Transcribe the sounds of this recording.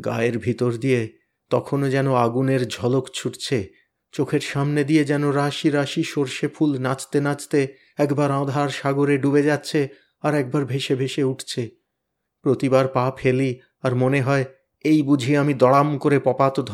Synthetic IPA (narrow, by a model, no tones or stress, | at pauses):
ɡa̰eɾbʱit̪oɾd̪ije | t̪ɔkʰonod͡ʑɛnoaɡuneɾd͡ʑʱɔlokt͡ɕʰuʈt͡ɕʰe | t͡ɕokʰeɾʃamned̪ied͡ʑɛnoɾaʃiɾaʃiʃoɾʃefʰulnat͡ɕt̪enat͡ɕt̪e | ɛkbaɾãd̪ʱaɾʃaɡoɾeɖubed͡ʑat̪ːɕʰe | aɾɛk̚baɾbʱeʃebʱeʃeuʈʰt͡ɕʰe | pɾot̪ibaɾpapʰeli | aɾmoneɦɔe | ejbud͡ʑʱiamid̪ɔɽamkoɾepɔpat̪od̪ʱ